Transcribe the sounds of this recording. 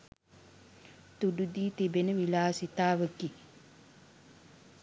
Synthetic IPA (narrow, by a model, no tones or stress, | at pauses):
t̪uɖud̪iːt̪ibenəʋilaːsit̪aːʋəki